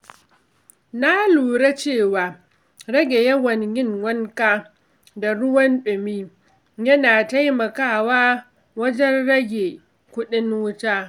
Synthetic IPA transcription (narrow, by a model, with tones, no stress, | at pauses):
na˦luː˨ɽa˦t͡ʃeː˦˨waː˨ | ɽɐ˦ɡʲe˨jɐ˦wɐ˨ŋjɪ˦ŋwɐ˦ŋkaː˦ | da˨ɽʊ˦wɐ˦nɗʊ˨miː˦ | jɐ˦naː˨ta˦jmɐ˨kaː˦˨waː˦ | wɐ˦d͡ʒɛ˦nɽɐ˦ɡʲe˨ | kʷʊ˦ɗɪ˦nwʊ˦taː˦